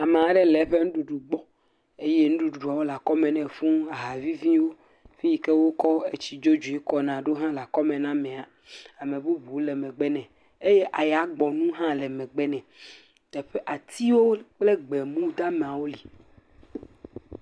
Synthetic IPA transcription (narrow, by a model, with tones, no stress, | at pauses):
a˨mẽ˨a˨ɖɛ˦lɛ˨ɸe˦ŋũ˦ɖu˨ɖu˨ɡ͡bɔ˦ | e˦je˦nũ˦ɖu˦u˨ɖu˨a˨wo˦la˨kɔ˦mɛ̃˨nɛ̃˨ɸũ˦a˨ɦa˨vi˦vĩ˦wo˦ | fĩ˦i˨kɛ˦wo˦kɔ˦e˨t͡ɕi˨d͡ʒo˦d͡ʒu˨e˦kɔ˦nã˨ɖo˦ɦã˦la˨kɔ˦mɛ̃˨nã˦mɛ̃˨a˨ | a˨mɛ̃˨bu˦bu˨wo˦lɛ˨mɛ̃˨ɡ͡bɛ˦nɛ̃˨ | e˦je˦ʔa˨ja˨˦ɡ͡bɔ˨nũ˦ɦã˦lɛ˨mɛ̃˨ɡ͡bɛ˦nɛ̃˨ | t̪ɛ˨ɸe˦ʔa˨t̪i˦wo˦k͡ple˦ɡ͡bɛ˨mũ˦d̪a˦me˨a˨wo˦li˨